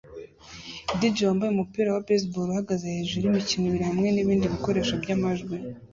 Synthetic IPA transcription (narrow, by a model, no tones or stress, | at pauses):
did͡ʒoːmbajumupiːɾawabes̬buɾuhaɡazeheʒiɾimiciniβiɾihamŋe̞niβiːndiβiko̞ɾe̞ʃabɟaːmaʒɡwi